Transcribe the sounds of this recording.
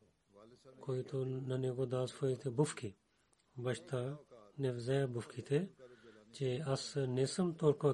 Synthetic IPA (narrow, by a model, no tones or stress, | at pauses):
koːit̪oːnɐnẽːkoːd̪aːsfʰoːit̪ʰeːbʊfkiː | bɐʃt̪aːnefzeːbʊfkʰiːt̪ʰe | t͡ʃeːɐsnesəmt̪oːɾko